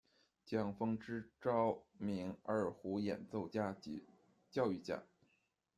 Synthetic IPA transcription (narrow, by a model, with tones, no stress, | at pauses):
t͡ɕjɑ˥˩ŋfɤ˥ŋʈ͡ʂɻ̩˥ʈ͡ʂɑ˥ʊmi˧˥ŋə˞˥˨˩xu˧˥jɛ̰˨˩nt͡so˥˩ʊt͡ɕja˥t͡ɕ | t͡ɕjɑ˥˧ʊy˥˩t͡ɕja̰˥˩